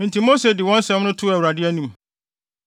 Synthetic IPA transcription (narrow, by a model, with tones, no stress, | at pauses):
mɪ̃˨ntʰi˨mo˦se˨dɪ˨wɔ̃˦nsɛ̃˨˦mnʊ̃˦tʰʊ˦æ˨wu˨ɾa˨dɪ˦æ˦nĩ˦m